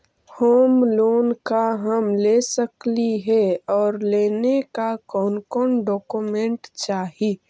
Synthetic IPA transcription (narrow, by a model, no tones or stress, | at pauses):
hoːmloːnkaɦəmlesəkliɦɛɔːɾleːnekakɔːnkɔːnɖɔːkumẽɳʈt͡ʃaːɦi